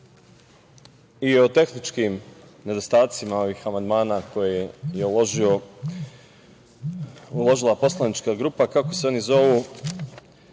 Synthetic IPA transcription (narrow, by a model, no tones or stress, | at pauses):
ijeo̞t̪e̞xnit͡ʃkimne̞d̪o̞st̪aːt̪simao̞ʋiːxamand̪maːnaːko̞jejeo | ulˠo̞ʒilˠapo̞slˠanit͡ʃkaɡɾuːpakako̞seo̞nizo̞ʋu